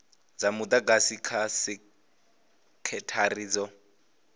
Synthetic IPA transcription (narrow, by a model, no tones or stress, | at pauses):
d͡zamʊd̪aɡasikʰasɪ | kʰɛtʰariːd͡zɔ